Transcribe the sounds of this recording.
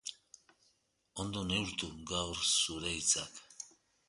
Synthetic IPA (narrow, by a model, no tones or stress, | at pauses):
o̞nd̪o̞ne̞uɾt̪uɡawrsuɾejt͡sak